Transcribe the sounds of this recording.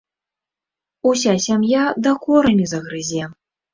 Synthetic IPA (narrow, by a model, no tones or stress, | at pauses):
usʲasʲamjad̪ɐkɔɾɐmʲizɐɣɾɨzʲɛ